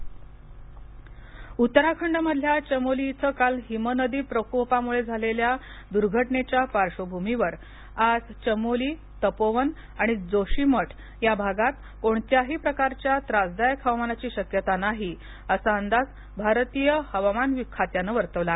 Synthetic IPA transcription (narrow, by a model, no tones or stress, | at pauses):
ut̪ːəɾakʰəɳɖməd̪ʱljat͡ɕəmolit͡səkalɦimənəd̪iːpɾəkopamuɭed͡zʱalelja | d̪uɾɡʱəʈnet͡ɕjapaɾʂəbʱumiʋəɾ | ad͡zt͡ɕəmoliː | t̪əpoʋən | aɽ̃id͡zoɕiməʈʰ | jabʱaɡat̪ | koɳt̪jaɦiːpɾəkaɾt͡ɕjat̪ɾad͡zd̪ajəkʰɦəʋamanat͡ɕiːɕəkjət̪anaɦi | əsaənd̪at͡s | bʱaɾt̪ijəhəʋamanʋikʰːat̪janəʋəɾt̪əʋla